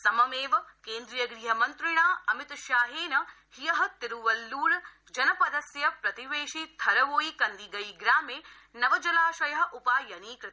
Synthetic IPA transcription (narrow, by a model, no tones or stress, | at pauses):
sɐmɐmeːʋkeːnd̪ɾijɐɡɾiːɦɐmɐnt̪ɾɪɽ̃aːɐmɪt̪ʃaːɦeːnɐ | hijɐɦɐ̆t̪ɪɾuʋɐlːuːl | d͡ʒɐnɐpɐd̪ɐsjɐpɾɐt̪iʋeːʃit̪ʰɐɾɐʋoːikɐ̃nd̪iɡɐiɡɾaːmeː | nɐʋɐd͡ʒɐlaːʃɐjɐɦɐ̆ʔʊpaːjɐniːkɾɪt̪